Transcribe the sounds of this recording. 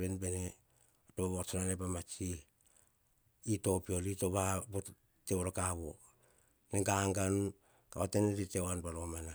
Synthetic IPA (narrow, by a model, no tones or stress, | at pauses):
βenbene | otoaβot͡ʃonanepamat͡ʃi | ito̞pio̞litoβabo | teoɾokaβo̰ | nɡaŋɡanu | kaoteneɾiteoanpalomana